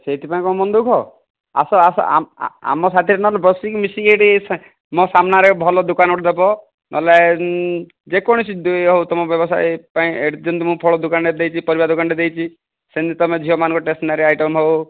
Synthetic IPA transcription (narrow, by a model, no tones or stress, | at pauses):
set̪ʰipaĩkɔmɔnd̪ukʰɔ | a̰sɔasɔ̰a̰a̰mɔs̬at̪ʰiɾenɔlɛbɔsikmisiɡeʈis | mɔ̃samnaɾɛbʱɔlɔd̪ukanɔʈd̪ebɔ | nʔɔle | d͡ʒekɔɽ̃isid̪ueɦowt̪ɔmɔbjɔbɔsa̰jpaĩeɽd͡ʒɔnt̪ɔmũpʰɔɭɔd̪ukanɖed̪ejt͡ʃʰipɔɾibad̪ukanɖed̪ejt͡ʃʰi | send̪it̪ɔmed͡ʒʱiɔmanɔ̃ŋkɔʈesʈnaɾeajʈɔmɦow